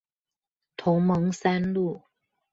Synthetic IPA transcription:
t̪ʰʊ˧˥ŋmɤ˧˥ŋsa˥nlu˥˩

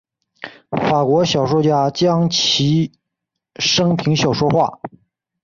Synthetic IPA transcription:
fa˨˩kwɔ˧˥ɕjɑ˨˩ʊʂwɔ˥˩t͡ɕja˥t͡ɕjɑ˥ŋt͡ɕʰi˧˥ | ʂɤ˥ŋpʰi˧˥ŋɕjɑ˨˩ʊʂwɔ˥xwa̰˥˩

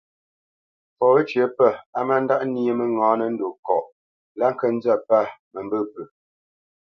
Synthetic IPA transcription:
fɔ˨wə˦t͡ʃjə˨pə˦˨a˦ma˦n̩˦da˦ʔni˦e˦mə˨ŋɔ̃ː˨˦nə˦n̩˦do˨kɔ̰˨ʔ | la˦ŋ̩˦kə˦n˦d͡zə˦˨pa˦˨mə˨mbə˦˨pə˨

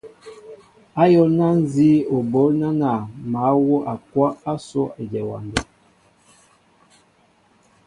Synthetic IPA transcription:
a˦jɔ˦lna˦n̩˦zi˦o˨bo˨˦lna˦na˨ma˨˦wo˦ʔa˨kwa˦a˦so˦e˨d͡ʒɛ˨wa̰˨nda˨

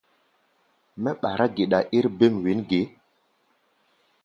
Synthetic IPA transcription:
mɛ˦ɓa˨ɾa˦ɡe˨ɗa˨ʔi˦ɾbe˦˨mwi˨˦nɡe˨˦

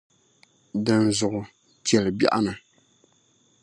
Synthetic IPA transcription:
dɨ˦nzʊ˨ʔʊ˨ | t͡ʃɛ˨lɨ˨ba̰˦ʔa˦nɨ˨

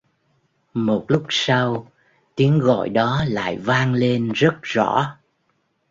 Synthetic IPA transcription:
mo˨˩t̚lʊ˦˥k͡p̚sa˧w | t̪i˨˦əŋɣɔ̰˧˨jɗɔ˨˦la̰ː˧˨jvaː˧ŋle˧nzə˦˥t̚z̥ɔ̰˧˩˥

